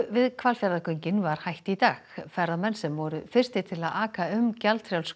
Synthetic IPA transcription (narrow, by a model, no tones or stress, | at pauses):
vɪðkʰvalfjaɾðakʏɲcɪnvaɾ̥hajht̪it̪aːxfɛɾaðmɛnsɛmvɔɾʏfɪr̥st̪ɪt̪ʰɪlaðaːkaʏmcalt̪fɾjawls